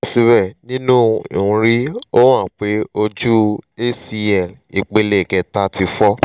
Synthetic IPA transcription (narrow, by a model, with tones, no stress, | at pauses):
si˧bɛ˦˨nĩ˦nũ˦ḭ˨ũ˧ɾi˦o˦w̃ã˦˨k͡pe˨˦o˧d͡ʒu˦e˦si˧ɛ˨li˨k͡pe˧le˨kɛ˧ta˧˦tʰi˧fɔ˦